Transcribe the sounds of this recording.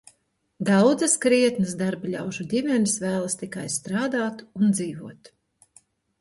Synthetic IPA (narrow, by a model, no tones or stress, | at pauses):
d̪awd̪zɐskɾiɛt̪nɨsd̪aɾblʲa̰wʒud̪ʲimʲɛnisvæːlˠɐst̪ikajst̪ɾaːd̪aːt̪und̪ziːvuɔt̪